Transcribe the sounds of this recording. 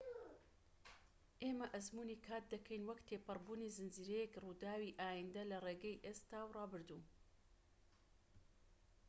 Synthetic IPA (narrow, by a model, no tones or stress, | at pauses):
ʔeːmɐʔɐzmuːnikʰaːt̪̚d̪ɐkʰɐjnwɐkt̪ʰeːpɨrbuːnizɨnziːɾejɛkruːd̪aːwiʔaːjind̪ɐlɐreːɡɐjʔeːst̪aːwrɑːbɨɾd̪uː